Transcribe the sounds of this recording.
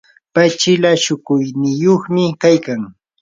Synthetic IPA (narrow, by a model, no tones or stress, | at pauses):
pat͡ʃɪlaʃʊkʊjnɪjoχmɪkajkaŋ